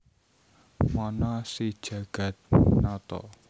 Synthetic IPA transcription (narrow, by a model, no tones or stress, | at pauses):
mɔnɔsid̥ʒ̥ä̤ɡ̥ä̤t̪̚nat̪ɔ̰